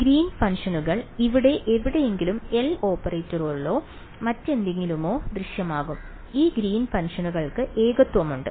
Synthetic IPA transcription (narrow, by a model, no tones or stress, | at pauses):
ɡɾiːnfɐnʂɐnuɣɐɭiʋiɽe̞ʔeʋiɽe̞jeŋɡilume̞lo̞ːpːɐreːtːɐroːrilo̞ː | mɐtːe̞nd̪eŋɡilumo̞ːd̪riʂjɐmaːɣum | iːɡɾiːnfɐnʂɐnuɣɐɭkɨʔe̞ːɣɐt̪ʋɐmuɳɖɨ